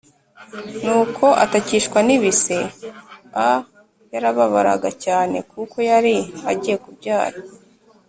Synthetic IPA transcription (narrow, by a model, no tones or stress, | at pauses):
nuːkʰo̞ʔataciʃkwaniβise̞ | a | jaɾaβaβaɾa̰ɡacaːne̞̰kuko̞jaɾiaɟije̞kubɟaːɾa